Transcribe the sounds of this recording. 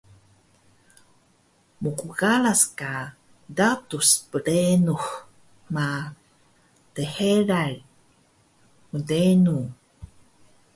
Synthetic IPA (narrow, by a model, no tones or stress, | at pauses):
mukuɣalaska | datuspəɽenux | ma | teheɾaɻ | mədenu